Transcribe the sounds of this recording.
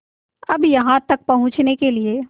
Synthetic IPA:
ɐbjɐɦãt̪ɐk̚pɐɦʊ̃t͡ʃnekelie

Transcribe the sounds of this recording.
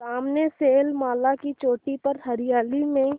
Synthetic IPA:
saːmneseːlmaːlakit͡ʃoːʈipɐɾɦɐɾɪjaːlimẽ

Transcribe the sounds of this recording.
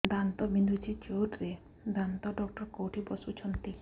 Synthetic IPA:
d̪ant̪ɔbind̪ʱut͡ʃʰit͡ʃoʈɾe | d̪ant̪ɔɖɔk̚ʈɔɾkowʈʰibɔsut͡ʃʰɔnt̪i

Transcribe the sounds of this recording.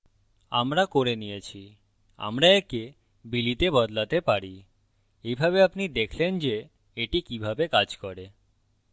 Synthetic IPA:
a̰mɾakoɾenijet͡ʃʰi | a̰mɾaeke | bilit̪ebɔd̪lat̪epaɾi | ejbʱabeapnid̪ekʰlend͡ʒeː | ʈikibʱabekad͡ʒkɔɾe

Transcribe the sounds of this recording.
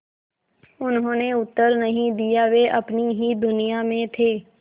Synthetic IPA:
ʊnɦõːneʊt̪ːəɾnəɦĩd̪ijaːʋeʔəpniɦiːd̪ʊnijamẽt̪ʰeː

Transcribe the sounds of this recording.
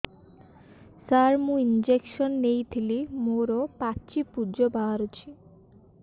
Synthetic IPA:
saɾmũind͡ʒekʃɔnːejt̪ʰilimoɾɔpat͡ʃipud͡ʒɔbaaɾot͡ʃʰi̥

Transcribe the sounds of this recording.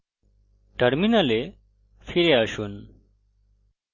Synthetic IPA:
ʈəɾminale | fʰiɾeəʃun

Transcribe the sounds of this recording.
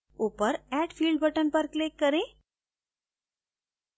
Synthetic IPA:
upəɾæɖfiːlɖ̚bəʈənpəɾklekːəɾẽ

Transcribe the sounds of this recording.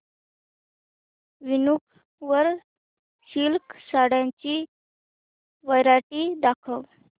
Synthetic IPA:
ʋinuk | ʋəɾ | ɕilksaɽjãɲt͡ɕiː | ʋəjɾaʈiːd̪akʰəw

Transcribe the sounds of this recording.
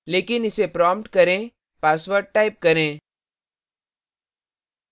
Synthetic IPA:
leːkɪnɪsepɾɔːmpʈkɐɾẽː | paːsʋəɾɖ̚ʈaːɪp̚kɐɾẽː

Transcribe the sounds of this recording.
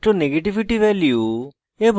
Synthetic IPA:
ʈoneɡeʈiʋiʈiʋɛliju | ebʱ

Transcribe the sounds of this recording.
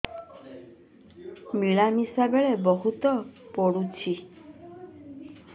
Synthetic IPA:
miɭamisabeɭebɔɦut̪ɔpɔɽut͡ʃʰi

